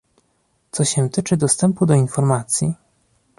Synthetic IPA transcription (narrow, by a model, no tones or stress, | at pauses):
t̪sɔɕɛt̪ɘt͡ʂɘd̪ɔst̪ɛmpud̪ɔinfɔɾmat̪sʲji